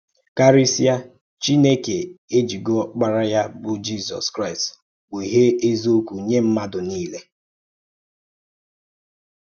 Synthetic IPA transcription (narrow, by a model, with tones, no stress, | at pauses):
ka˦ɾi˦si˦a˦ | t͡ʃi˦ne˦ke˨e˦d͡ʒi˨ɡɔ˦k͡pa˦ɾa˦ja˦bʊ˦d͡ʒi˦zɔ̰˨skɾa˦˨ɪ˨st | ɡ͡be˨ɦe˦e˦zo˦kʷu˨ɲe˦m̩˦ma˦dʊ˨niː˦le˦